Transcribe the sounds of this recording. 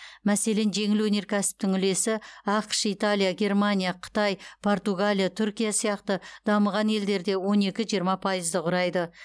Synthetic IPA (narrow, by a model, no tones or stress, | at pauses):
mæse̞le̞nʒe̞ŋɪlwɵne̞ɾkʲʰæsɪ̥p̚t̪ɪŋʏle̞sɪɑqʃijt̪alʲijaɡʲe̞rmanʲijaqʰə̥t̪ɑjpʰo̞rt̪uɡalʲijat̪ʰʏɾkʲijasijɑqt̪əd̪ɑməʁɑne̞ld̪e̞ɾd̪e̞wo̞ne̞kʲɪʒijəɾmɑpʰɑjəzd̪əqʰʊɾɑjd̪ə